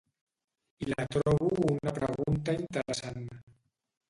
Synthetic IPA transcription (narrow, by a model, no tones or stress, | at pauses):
ilat̪ɾɔβuunapɾəɣunt̪aint̪əɾəsan